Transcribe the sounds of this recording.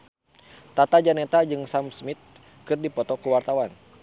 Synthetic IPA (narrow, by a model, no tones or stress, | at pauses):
t̪at̪ad͡ʒanɛt̪ad͡ʒɨŋsamsmit̪̚ | kɨrdipɔt̪ɔkuwart̪awan